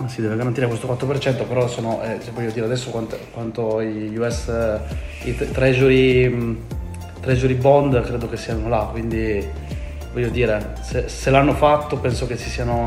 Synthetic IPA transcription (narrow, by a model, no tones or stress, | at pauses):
asid̪ɛːveɡaɾant̪iɾekwest̪okwat̪ːɾopert͡ʃɛnt̪opeɾɔsoːnoʔɛɛvɔʎːjːod̪iːɾead̪ɛsːokwant̪kwant̪oiʎuɛs | it̪t̪ɾed͡ʒuɾi | t̪ɾed͡ʒuɾibɔnd̪kɾeːd̪ok̟esːianolakːwind̪i | vɔʎjːod̪iːɾe | seselanːofat̪ːopɛnsok̟esisiːano